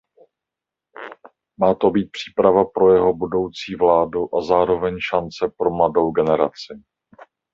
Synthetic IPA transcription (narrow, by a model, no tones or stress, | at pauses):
maːt̪o̞biːt̪̚pr̥i̥ːpɾavapɾo̞jɛɦo̞budo̞wt͡siːvlaːduʔazaːɾo̞vɛɲʃant͡sɛpɾo̞mlado̞wɡɛnɛɾa̰t͡sɪ